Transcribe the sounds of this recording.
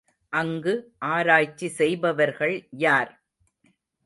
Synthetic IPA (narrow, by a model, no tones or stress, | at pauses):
ʔɐŋɡɯʔaːɾaːjt͡ʃːisɛjbɐʋɐɾɣɐɭjaːɾ